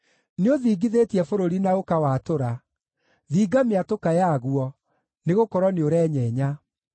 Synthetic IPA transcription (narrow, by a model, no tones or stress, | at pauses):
neoðiːɡiðetiɛfoɾoɾinaɣokawatoɾa | ðiːɡameatokajaɣuɔ | neɣokɔɾwɔneoɾɛɲɛɲa